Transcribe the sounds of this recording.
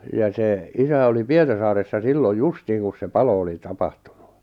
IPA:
jɑ seˑ isæ oli pietɑrsɑːresːɑ silːoj justiːn kus se pɑlo oli tɑpɑhtu̥n̥u̥

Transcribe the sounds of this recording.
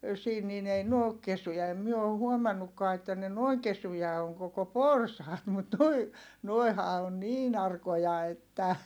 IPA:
siːn niːn ei n oːk kesyjæ ei myø o huomɑnːukːɑː etːæ ne noiŋ kesujɑ oŋ koko porsɑːt mut nuoi nuoi̯hɑ on niːn ɑrkojɑ etːæ

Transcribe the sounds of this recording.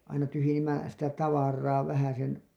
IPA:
ɑinɑ tyhyjenˑimːæ sitæ tɑʋɑrˑɑː ʋæhæsen

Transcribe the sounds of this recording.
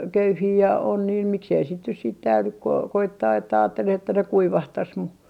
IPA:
køyhiː jɑ on niːn miksei sit nyt siːt tæylyk ku o koitːɑː etːæ ɑːtːeleh etːæ ne kuiʋɑhtɑs mu

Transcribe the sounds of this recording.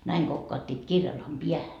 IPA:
næiŋ ɡ̊okːɑːtːiːt kirjɑlːɑːm piæhæ

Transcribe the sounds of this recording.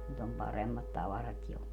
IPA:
nyt om pɑremːɑt tɑʋɑrɑt jo

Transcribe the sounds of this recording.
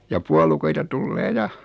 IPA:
jɑ puolukoitɑ tulːeː jɑ

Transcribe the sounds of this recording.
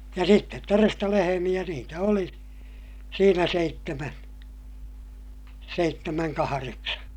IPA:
jɑ sitːet torestɑ lehemij̆æ niːtæ oli siːnæ seitːemæn seitːemæŋ kɑhɑreksɑ

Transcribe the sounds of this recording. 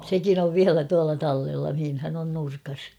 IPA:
sekin oʋ ʋiælæ tuɑlɑ tɑlːelːɑ mihinhæn on nurkɑs

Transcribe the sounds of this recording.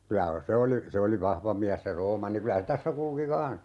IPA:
kylæ se oli se oli ʋɑhʋɑ miæs se roːmɑnːi kylæ se tæsːæ kulki kɑ̃ːs

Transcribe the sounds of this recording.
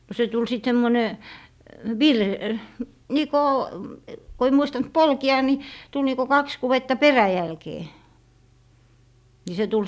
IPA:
no se tul sit semːone ʋir niˑkoˑ ko ei muistɑnt polki̯ɑ ni tul niko kɑks kuwetːɑ peræjælkeː ni se tul

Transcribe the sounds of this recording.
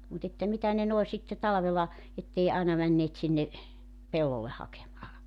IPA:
mut etːæ mitæ ne noe sitːe tɑlɑ̆ʋelɑ etːei ɑˑinɑ mænːeːt sinːe pelːolːeh hɑkemɑː

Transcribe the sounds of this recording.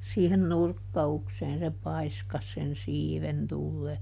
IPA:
siːhen nurkːɑukseːn se pɑiskɑs sen siːʋen tulːeː

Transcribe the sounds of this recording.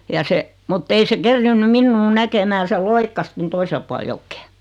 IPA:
jɑ se mutː ei se kerːiːnːym minːuː nækemæː se loikːɑs ton toisel puɑl jokːe̥ː

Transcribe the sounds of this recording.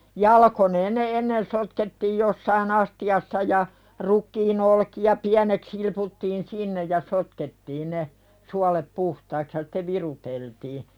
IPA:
jɑlɑkoneːn ne enːen sotketːiːj josːɑin ɑstiɑsːɑ jɑ rukːiːn olkijɑ piænek silputːiːn sinːej jɑ sotketːiːn ne suɑlep puhtɑiks jɑ sĭ̥te ʋiruteltiː

